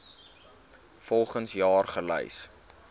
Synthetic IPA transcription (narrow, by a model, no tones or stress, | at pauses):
fɔlˠχənsjɑːrχələ̰js